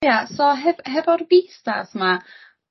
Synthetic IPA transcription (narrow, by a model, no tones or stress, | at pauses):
jasɔɦɛvɦɛvɔrvista̰sma